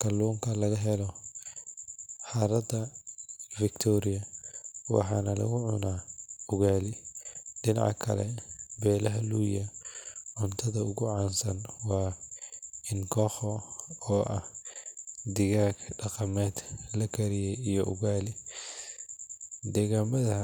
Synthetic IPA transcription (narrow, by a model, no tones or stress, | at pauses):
kʰɐlːuːŋkʰɐlɐɣɐɦɛlɔ | ħɑɾɐd̪ɐ | fɪkt̪ʰɔːɾɪjɐwɑ̰ħɑːnɐlɐ̰ɣʊʕʊ̰naːʊɣaːlɪɖɪnɑ̰ʕkʰɐ̰lɛ̰bɛːlɐɦɐluːjɐʕʊnt̪ʰɐðɐʊɣʊʕɑːnsɐnwɑː | ɪnŋkʰɔːχɔɔːʔɐh | d̪ɪɣaːɡɖɑqɐmɛːd̪lɐkʰɐɾɪjɛjijɔʔʊɣaːlɪ | d̪ɛːɣaːmɐðɐɦɐ